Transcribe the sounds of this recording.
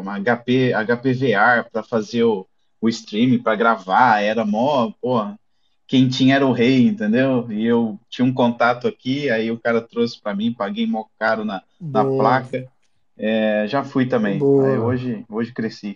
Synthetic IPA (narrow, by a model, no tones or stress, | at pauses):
aɡapeaɡapeveapɾɐfazeɾʊ | ʊɪst̪ɾĩmĩpɾɐɡɾavaɛɾɐmɔpohɐ | kẽj̃t͡ʃĩɲɐɛɾɐʊɦejĩnt̪ẽnd̪ewɪewt͡ʃĩɲɐũk̬õnt̪at̪ʊakiaiʊkaɾɐt̪ɾosɪ̥pɾɐmĩpaɡejmɔwkaɾʊnɐ | nɐplakɐ | ɛʒafujt̪ɐ̃mbẽj̃ɛoʒɪoʒɪkɾesi